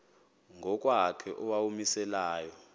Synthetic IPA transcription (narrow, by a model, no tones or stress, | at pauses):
ŋʱɔk̬ʼwakʰɛʔɔwawumisɛlaːjɔ